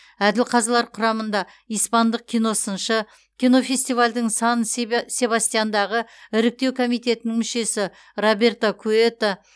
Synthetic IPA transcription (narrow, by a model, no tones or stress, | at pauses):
æd̪ɪlqʰɑzlˠɑɾqʰʊɾɑmənd̪ɑ | ijspɑnd̪əq̚kʲʰijno̞sənʃə | kʲʰijno̞fʲe̞sʲt̪ijvalʲd̪ɪŋsɑnəsʲe̞bɑst̪ijand̪ɑʁəɪɾɪk̚t̪e̞wkʰo̞mijt̪e̞t̪ɪnɪŋmʏʃe̞sɪ | ro̞be̞rt̪akʰue̞t̪a